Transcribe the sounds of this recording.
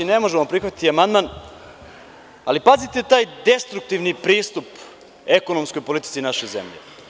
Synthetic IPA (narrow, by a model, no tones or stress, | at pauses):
inemo̞ʒemo̞pɾixʋat̪i̥t̪iamand̪man | alipazit̪et̪aːjd̪e̞st̪ɾuk̚t̪iʋnipɾiːst̪up | e̞ko̞nomsko̞jpo̞lit̪i̥t̪sinaʃeze̞̰mʎḛ